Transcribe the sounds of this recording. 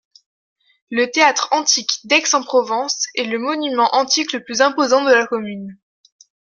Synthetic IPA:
lət̪eat̪χɑ̃t̪ikd̪ɛksɑ̃pχɔvɑ̃sɛləmɔnymɑ̃ʔɑ̃t̪ikləplyzɛ̃pozɑ̃d̪əlakɔmyn

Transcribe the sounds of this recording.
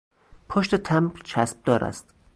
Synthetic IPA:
pʰoʃt̪e̞t̪ʰæmɾt͡ʃʰæsb̚d̪ɒːɾæ̰st̪

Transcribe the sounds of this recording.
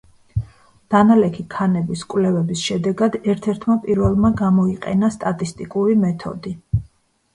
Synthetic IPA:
d̪̥analɛkʰikʰanɛbiskʼwvlɛvɛbisʃɛd̪ɛɡad̪ɛɾt̪ʰɛɾt̪ʰmapʼiɾvɛlˠmaɡamɔiqʼɛ̰nast̪ʼat̪ʼist̪ʼikʼuɾimɛt̪ʰɔ̰d̪i

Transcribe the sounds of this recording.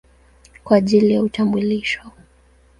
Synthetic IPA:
kwaːʄilijautambuliʃɔ

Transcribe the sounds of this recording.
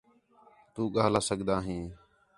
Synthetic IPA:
t̪uːɠaːlaːsəɠd̪aːɦĩː

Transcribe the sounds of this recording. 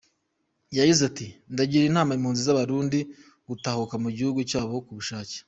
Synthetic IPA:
jaɟizatindaɟiɾinhaːmaimhuːnzizaβaɾuːndi | ɡ̥utahukamuɟihuɡucaːβo̞kuβuʃaːce̥

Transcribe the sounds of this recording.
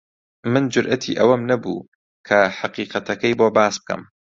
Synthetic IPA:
mɨnd͡ʒʊɾʔɐt̪ʰḭʔɐwɐmnɐbṵː | kʰɐħaqiːqɐt̪ʰɐkɐjboːbaːsb̥̚kɐ̰m

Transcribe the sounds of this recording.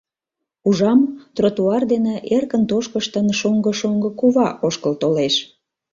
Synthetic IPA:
uʒɑmt̪rot̪uɑrd̪eneʔerkənt̪oʃkəʃt̪ənʃoŋɡəʃoŋɡəkuβɑʔoʃkəlt̪oleʃ

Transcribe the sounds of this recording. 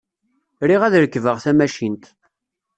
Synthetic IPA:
ɾiʁæðɾəkːvəʁθæmæʃint̪

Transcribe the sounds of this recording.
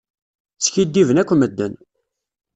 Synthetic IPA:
sçid̪ːivənækʷːməd̪ːən

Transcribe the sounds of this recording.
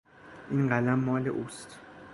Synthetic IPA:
iŋɡʱalamɔlɛʔustʰ

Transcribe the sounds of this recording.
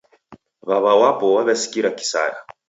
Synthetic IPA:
βaβawapɔwaβɛsi̥kiɾaki̥sa̰ɾa

